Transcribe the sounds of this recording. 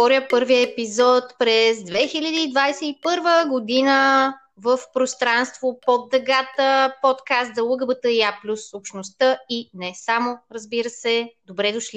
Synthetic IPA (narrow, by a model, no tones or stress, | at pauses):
ɔɾʲjəpɤɾviəɛpizɔt̪pɾɛzd̪vɛxilʲəd̪iːd̪vajsɛipɤɾvəɡod̪inə | vəfpɾost̪ɾanst̪vopɔd̪ːəɡat̪əpɔt̪kast̪zɐlˠəɡəbət̪əiaplʲusopʃnost̪əinɛsamoɾəzbiɾəsɛd̪obɾɛd̪ʊʃli